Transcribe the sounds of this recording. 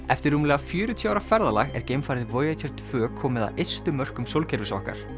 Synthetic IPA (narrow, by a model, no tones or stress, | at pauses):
ɛft̪ɪɾːumlɛɣafjʏːɾʏt̪ʰjɔaːwɾafɛɾðala̰ɣɛ̰ɾcejmfajɾðɪvoːjat̪ʰɛɾ̥t̪ʰv̥œːkʰɔːmɪða̰ʔejst̪ʏmœr̥kʏmsowlcʰɛɾvɪsɔ̰hka̰ɾ̥